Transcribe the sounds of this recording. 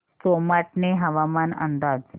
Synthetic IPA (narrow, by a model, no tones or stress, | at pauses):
somaʈneɦɐʋamanɐ̰nd̪aːd͡z